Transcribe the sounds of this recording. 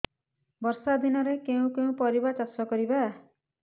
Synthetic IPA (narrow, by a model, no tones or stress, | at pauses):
bʌrsad̪inʌɾekew̃keũpʌɾibat͡sʌsʌkʌɾiba